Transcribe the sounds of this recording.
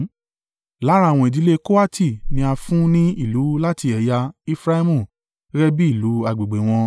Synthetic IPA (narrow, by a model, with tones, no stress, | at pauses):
la˨˦ɾa˦˨w̃ɔ̃˧i˨di˨˦le˦ko˦a˦ti˦˨nĩ˧a˧fũ˦nĩ˦i˦˨lu˨˦la˦ti˧ɛ˨ja˧i˧fɾa˦i˦mũ˨ | ɾɛ˦bi˦i˦˨lu˨˦a˧˨ɡ͡be˨ɡ͡be˨w̃ɔ̃˧